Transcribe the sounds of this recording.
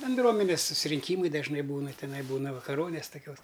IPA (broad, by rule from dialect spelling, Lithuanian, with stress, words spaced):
bʲɛnˈdruɔmʲɛnʲɛs sʊsʲɪrʲɪŋʲˈkʲiːmɐɪ dɐʒˈnɐɪ ˈbuːnɐ tʲɪˈnɐɪ ˈbuːnɐ ʋɐkɐˈroːnʲeːs toːˈkʲoːs